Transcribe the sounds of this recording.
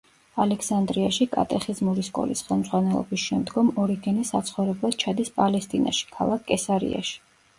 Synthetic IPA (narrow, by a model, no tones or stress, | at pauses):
alɛksand̪ɾiaʃikʼa̰t̪ʼɛχizmuɾiskʼɔ̰lisχɛlˠmd̪zʁwanɛlˠɔ̰bisʃɛmd̪ɡɔmɔɾiɡɛnisat̪sʰχɔvɾɛblˠad̪̥̚t͡ʃʰad̪ispʼalɛst̪ʼina̰ʃi̥kʰa̰lˠakʰkʼːɛsaɾḭa̰ʃi̥